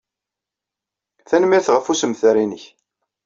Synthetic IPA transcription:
θænmiɾθʁəfusəmθɾinəç

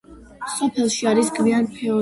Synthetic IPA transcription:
sɔpʰɛlˠʃiaɾisɡʰʼvianpʰɛɔ

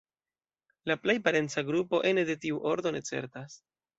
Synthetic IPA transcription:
laplejpaɾe̞nt͡saɡɾupo̞ʔe̞ne̞de̞tiuʔo̞ɾdo̞ne̞t͡se̞̰ɾtas

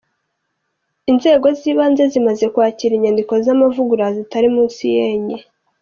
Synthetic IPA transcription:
inze̞ːɡo̞ziːβaːnze̞zimaze̞kwaːciɾiɲandiko̞zamavuɡuɾazitaɾimuːnsijeːɲe

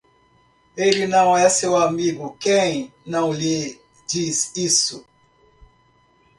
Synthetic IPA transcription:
eɾinãwajasewamiɡukɛ̃jnãwli | disisu

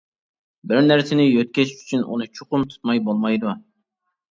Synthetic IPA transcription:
bɪɾnæɾsɪnɪjøt̪̚kʲɛʃi̥ʃy̥t͡ʃʰynʔṵnɨt͡ʃʰoqʊmt̪ʰu̥t̪mɑjbolˠmɑjd̪u

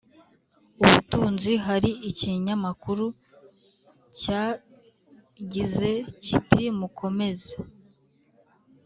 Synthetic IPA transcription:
uβṵtuːnziɦaɾiiciɲamakuɾu | caː | ɟize̞citimukʰo̞me̞ze

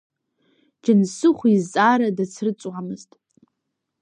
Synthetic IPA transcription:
d͡ʒansɨχʷizt͡sʼaɾadat͡sʰrɨt͡sʼwamɨztʼ

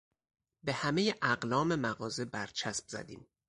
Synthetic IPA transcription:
be̞hæme̞jeʔæɢlɒːme̞mæɣɒːze̞bæɾt͡ʃʰæsb̚z̥æ̰d̪ḭːm

